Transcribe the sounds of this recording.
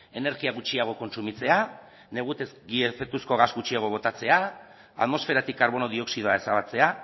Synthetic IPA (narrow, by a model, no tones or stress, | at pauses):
e̞ne̞ɾɣiaɣut͡ʃiaɣ̞o̞ko̞nsumit͡se̞a | ne̞ɣ̞ut̪esɡiefek̚t̪usko̞ɣazɡut͡ʃiaɣ̞o̞β̞o̞t̪at͡se̞a | a̰ðmo̞sfe̞ɾat̪ikːaɾβ̞o̞no̞ðio̞ksið̞oae̞saβat͡se̞a